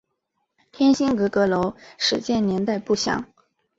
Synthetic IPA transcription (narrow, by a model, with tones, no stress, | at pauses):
t̪ʰjɛ˥nɕi˥ŋkɤ˧˥kɤ˧˥lo˧˥ʊʂɻ̩˨˩t͡ɕjɛ˥˩nnjɛ˧˥nt̪a˥˧ɪpu˥˩ɕjɑ̰˨˩˦ŋ